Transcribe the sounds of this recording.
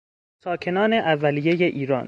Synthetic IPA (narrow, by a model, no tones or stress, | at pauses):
sɒːcʰe̞nɒːneʔævːælije̞je̞ʔiːɾɒ̰ːn